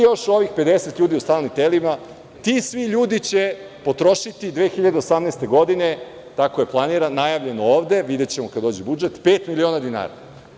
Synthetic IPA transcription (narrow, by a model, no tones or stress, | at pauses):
joʃo̞ʋixpe̞d̪e̞se̞t̪ʎʲuːd̪iust̪aːlnimt̪elima | t̪isʋiʎuːd̪it͡ɕe̞ | po̞t̪ɾo̞ʃit̪id̪ʋeːxiʎad̪eo̞samneːst̪e̞ɡo̞d̪ine̞ | t̪akoje̞plˠaniɾanːajaʋʎe̞nooːʋd̪e̞ʋid̪e̞t͡ɕemo̞kad̪oːd͡ʑibud͡ʒe̞t̪pe̞ːt̪milio̞nad̪ina̰ːɾa̰